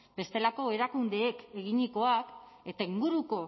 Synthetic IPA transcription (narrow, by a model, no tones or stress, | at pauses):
b̥e̞st̪e̞lako̞e̞ɾakund̪e̞ːke̞ɣiɲiko̞ake̞t̪aiŋɡuɾuko̞